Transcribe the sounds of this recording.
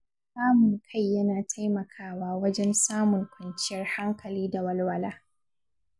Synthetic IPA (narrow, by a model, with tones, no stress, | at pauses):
saː˦mʊ˨ŋkʰa˦˨jːɐ˦naː˨tʰa˦jmɐ˨kʰaː˦waː˦wɐ˦d͡ʒɛ˦nsaː˦mʊ˨ŋkʷʰɐ˨nt͡ʃɪ˦jɐ˦rha˦ŋkɐ˨liː˦da˨wɐ˦lwɐ˦laː˦